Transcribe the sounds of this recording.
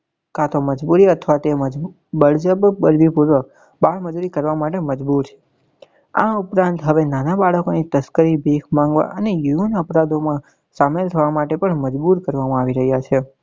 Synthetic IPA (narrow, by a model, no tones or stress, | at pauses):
kat̪ʰoməd͡ʒbuɾiət̪ʰʋat̪emə | bəɭd͡ʒəbbəɾʋipuɾʋək̚ | baɭməd͡ʒuɾikəɾʋamaʈeməd͡ʒbuɾt͡ʃʰe̥ | a̰upɾãnt̪ɦəʋenanabaɭəkonit̪əskəɾibʱikʰmãŋɡʋa̰ʔənejuunəpɾad̪omã | samelt̪ʰəʋamaʈepəɳməd͡ʒbuɾkəɾʋamãaʋiɾəɦjat͡ʃʰe